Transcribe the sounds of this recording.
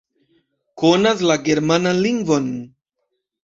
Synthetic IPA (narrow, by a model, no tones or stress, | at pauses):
konas̬laɡeɾmananliŋɡvon